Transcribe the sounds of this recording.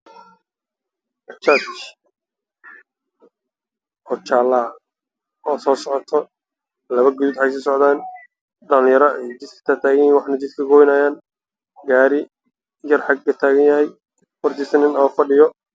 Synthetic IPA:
ʔɐt͡ʃat͡ʃ | ʔɔːt͡ʃaːla | ɔːsɔːsɔʕɔt̪ʰɔ | lɐβɐɡʊðuːd̪ħɑs̬ɪsɔʕd̪aːn | ɖɐljɐɾɐʔɛjd̪ɪd̪kʰɐ̥t̪ʰaːt̪ʰaːɣɐjwɑħnɐt͡ʃɪd̪̚kʰɐɡɔjnɐjaːn | ɡaːɾɪ | jɐrħɑɡɡɐt̪ʰaːɣɐnjɐhɛj | wɔrt̪ʰɪsɐnɪnɔːfɐɖɪjɔ

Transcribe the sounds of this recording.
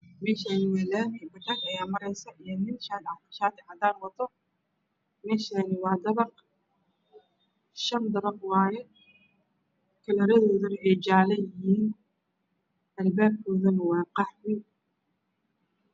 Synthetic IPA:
mɛːʃaːnɪwɛːlaːnɪbɪd̪ɐkɐjaːmɐɾɛjsɐʔijɔnɪnʃaːd̪ɑt̪ɐ̥ʃaːt̪ʰɪhɐd̪aːnwɐt̪ʰɔ | mɛːʃaːnɪwɑːd̪ɐβɑq | ʃɐnd̪ɐɾɐqwɑːjɛ | kʰɐlɐɾɐðɔːðɐnɐʔɛjd͡ʒaːlɐjɪɦiːn | ʔɐlbaːb̚kʰɔːðɐmɐwɑːqɑħwɪ

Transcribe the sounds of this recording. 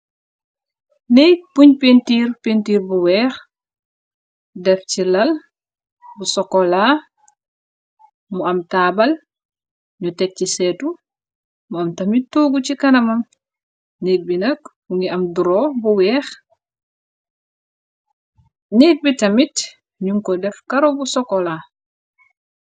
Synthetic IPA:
nɛpuɲpentiːɾpentiːɾbuwɛːx | dɛft͡ʃilɐl | busɔkɔla | muɐmtaːbɐl | ɲutɛk̚cisɛːtu | muɐmtɐmittːuɡut͡ʃikɐnɐmɐm | niːt̚binɐk | uŋɡiɐmduɾɔbuwɛːx | niːt̚bitɐmit | ɲuŋkɔdɛfkaɾobusɔkɔla

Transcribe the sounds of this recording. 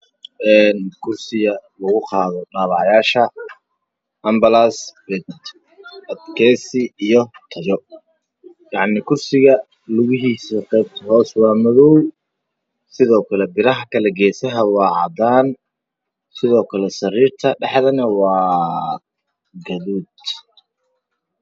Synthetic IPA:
ʔɛːnkʰʊrsɪɣɐlɐɣʊqɑːðɔɖaːβɑʕjaːʃɐ | ʔɐmbɐlaːsbɛ | ɐd̪kʰɛːsɪijɔt̪ʰɐjɔ | jɑʕnɪkʰʊrsɪɣɐ | lʊɣɪɦiːsɐqɛːb̚t̪ʰɦɔːswɑːmɐðɔw | sɪðɔːkʰɐlɛbɪɾɐɦɐkʰɐlɛɡɛːsɐɦɐwɑːʕɑ̰d̪aːn | sɪðɔːkʰɐlɛsɐriːrt̪ʰɐɖɛħðɐnɐwɑː | ɡɐðuːd̪

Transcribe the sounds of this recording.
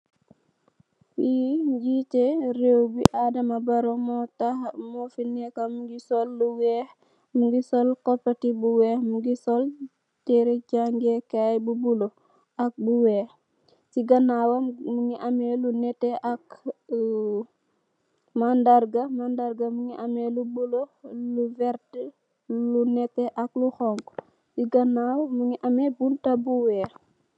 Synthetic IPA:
wiɟiteɾewbiʔadɐmabaɾomɔtamɔfinɛkamuɡisɔlːuwɛh | muɡisɔlkɔpːɐtibuwɛhmuɡisɔl | tɛɾecaŋɡɛkajbubulo | ak̚buwɛːh | siɡɐnaːwɐmuŋiʔɐmɛlunɛtɛʔak | mandarɡɐmandaɾɡɐmuŋiʔɐmɛlubuloluvɛɾt | lunɛtːɛʔɐk̚luxɔŋɡ | siɡɐnawmuŋiʔɐmɛbuntɐbuwɛː

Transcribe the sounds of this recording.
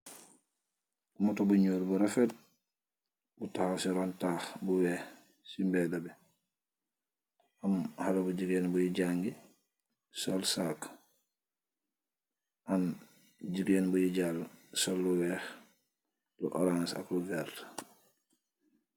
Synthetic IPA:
umatɔbuɲoːɾbuɾɛfɛt̚ | butahasiɾɔntaxbuwɛh | simbɛdabɛ | amhalabuɟiɡɛnbujiɟaŋɡi | sɔlsak | ʔan | d͡ʒiɡjɛnbujiɟalsɔlːuwɛx | lṵʔɔ̰ɾansa̰kluvɛɾt

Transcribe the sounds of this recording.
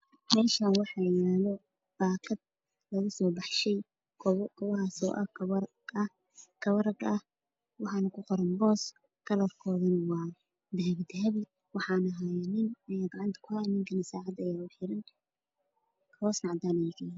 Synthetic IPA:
mɛːlʃaːnwɑħɑlɐjaːlɔ | b̥aːkʰɐd̪̚ | lɐɣʊsɔːbɑħʃɛj | kʰkʰɔwɐɦaːsɔ̰ːʔɐ | kʰɐβɐɾɐɡɐh | wɑħɑːnɐkʰʊqɔɾɐnbɔːs | kʰɐlɐrkʰɔːðɐnwɑː | d̪ɛɦɛbd̪ɛɦɛb | wɑħɑːnɐɦajnɪnjɡɑʕɪnt̪ʰɐ̥kʰʊhajnɪŋkʰɐnɐsaːʕɑd̪ɐjaʊħɪɾɪn | kʰbɔːsnɑʕd̪aːnɛjɪkʰɛ

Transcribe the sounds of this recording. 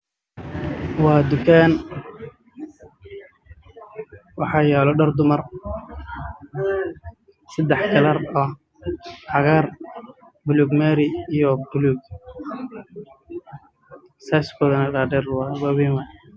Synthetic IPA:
wɑːd̪ʊkʰaːn | wɑħɑːjɛːlɔɖɐrd̪ʊmɐr | sɛd̪ɛħkʰɐlɐrɔ | hɑɣaːr | bʊluːɡmɛːɾɪijɔbʊluːɡ̚ | saːskʰɔːðɐnɐɖaɖɛrwaβiːnwaː

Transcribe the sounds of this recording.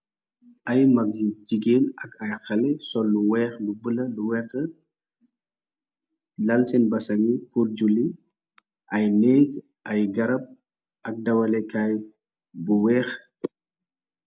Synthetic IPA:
ʔɐjmɐk̚d͡ʒid͡ʒiɡeːnɐkɐjxɐlɛsɔlːuwɛːxlubəlɐluwɛrtɐ | lɐlsɛnbɐsɐŋikuɾd͡ʒuli | ʔɐjnɛːɡ | ʔɐjɡɐɾɐp̚ | ʔɐk̚dɐwɐlɛkaj | buwɛːx

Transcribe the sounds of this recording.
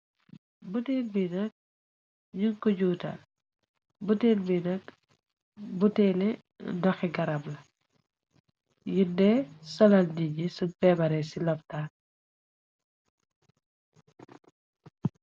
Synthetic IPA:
butɛlbinɐk̚ | jukɔɟuːta̰ | butɛlbinɐk | butɛnɛ | dɔxɛɡɐɾɐblɐ | judɛsɔlɐldiɟisubɛːbɐɾɛsilɔp̚taː

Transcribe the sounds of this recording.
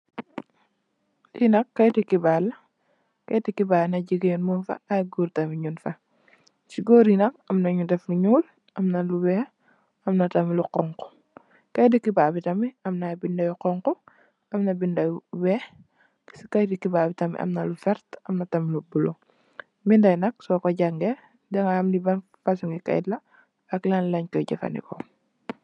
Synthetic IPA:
jinɐkːɐjtikibaːl | kɐjtikibaːlnɐɟiɡenmunfɐ̰ajɡuːɾtɐmiɲunfɐ | t͡ʃiɡoːɾinɐk̚ɐmnɐɲudɛfnuɲuːl | ʔɐmnaluwɛ | ɐmnɐtɐmiluqɔŋkɔ̥ | kɐjdikibaːbitɐmiɐmnabindɐjuqɔŋkɔ | ɐmnɐbindɐjuwɛ | skajdikːibaːbitɐmḭʔɐ̰mnalufɛɾtɐmnɐtɐmilubulo | mindɐjnɐk̚sɔːkɔɟaŋɡɛ | dɛŋaamnibɐn | fasuŋikɐ̰jdlɐ | ɐklanlɐɲkɔɟɐfɐ̰nḭkɔ

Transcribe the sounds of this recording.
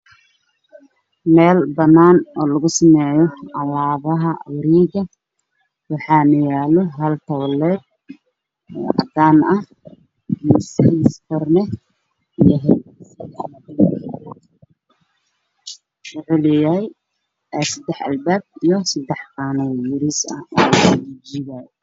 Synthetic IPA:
mɛːlbɐnaːnɔːlɐɣʊsɐmɛːjɔʕɑlaːβɐɦɐwɾiːɡɐ | wɑħɑːnɐjaːlɔɦɐlt̪ʰɐwɔlɛːd̪̚ | ɔ̰ːʕɑ̰d̪aːnɐh | sɪsfɔrnɛ | jɐɦɛ | wʊʕʊlɪjaj | ɛsɐd̪ɛħɐ̰lbaːb̚ijɔsɐd̪ɛħqɑːnɛjʊɾisɐ̰ɔːlud͡ʒiːβaːj

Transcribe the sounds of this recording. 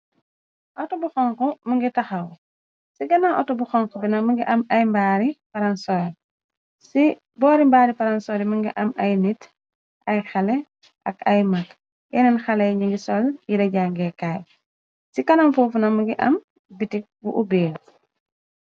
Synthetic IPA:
ʔɔtɔbuxɔŋkɔmuŋɡitɐxɐw | siɡɐnaʔɔtɔbuxɔŋkɔbinɐmuŋɡiʔɐmɐjmbaːɾipɐɾɐnsɔj | si | bɔːɾimbaːɾipɐɾɐnsɔɾimuŋɡiʔɐmɐjnit | ʔɐjxɐlɛ | ɐkɐjmɐk | ʔɛ̰nɛnxɐlɛjɲiŋɡisɔljiɾɛɟaŋɡɛkaːj | sikɐnɐmfuːfunɐmuɡiʔɐ̰m | bitik̚bṵʔubeːl

